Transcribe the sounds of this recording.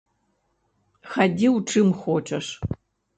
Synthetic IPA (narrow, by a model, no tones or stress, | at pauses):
xɐdʲiwuʈ͡ʂʰɨmxʷoːʈ͡ʂʼɐʂ